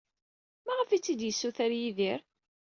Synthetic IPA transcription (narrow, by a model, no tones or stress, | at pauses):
mæʁəfit͡sːid̪jəsːuθæɾjiðiɾ